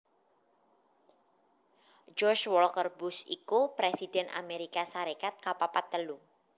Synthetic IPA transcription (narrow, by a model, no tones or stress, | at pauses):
d͡ʒɔrt͡ʃwɔlkərbusḭkupɾesidɛnʔa̰meɾikasaɾekat̪̚kapapat̪ːəlu